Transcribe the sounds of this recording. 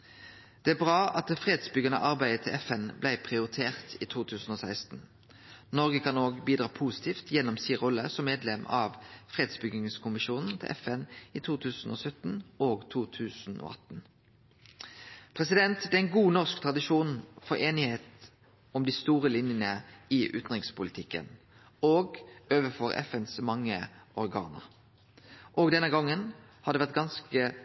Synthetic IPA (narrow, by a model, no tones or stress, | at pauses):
d̪̥ɛːæbʁɑːɑt̪fʁeːd̪sbʏɡənə̰ʔɑʁbæɪət̪ʰɪlʔɛfɛnblæɪpʰʁɪʊʁɪt̪ʰeːʁt̪iːt̪ʰuːt̪ʰʉːsn̩oːsæɪst̪n̩ | nɔʁɡəkʰɑnoːɡbiːd̪ɾʁɑːpʰuːsɪ̥t̪ʰiːft̪ʰjɛnːɔmsiːʁɔlːəsɔmːeːd̪lɛmɑʋfʁeːd̪sbʏɡɪŋskʰʊmɪʃuːnn̩t̪ʰɪ̰lʔɛ̰fɛniːt̪ʰuːt̪ʰʉːsn̩o̰ːsœt̪n̩oːɡt̪ʰuːt̪ʰʉːsn̩o̰ːʔɑ̰t̪n | pʰʁɛsɪd̪ɛnt̪b̪ɛæɪnɡuːnɔʁskt̪ʰʁɑd̪ɪʃuːnfɔʁeːnɪheːt̪ | ɔmd̪ɪst̪uːʁəlɪnjənəɪʔʉ̰ːt̪nʁɪŋspʰʊlɪt̪ʰɪkːə̰n | oːɡøːʋəfɔʁɛ̰fɛnsmɑŋːəʔɔʁɡɑ̰ːnə̰ʁ | ʔɔɡd̪ɛnːəɡɑŋːən | hɑd̪ɛʋæʁt̪̚ɡɑnskə